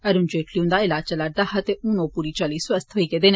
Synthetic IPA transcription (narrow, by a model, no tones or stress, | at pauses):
ɐɾʊ̃nd͡ʒeːʈʰliũnd̪aːɪlaːt͡ʃəlaɾ̚d̪aːhɐt̪eunõpuːɾiːt͡ʃaːliːsɐst̪ʰɦoiked̪eːn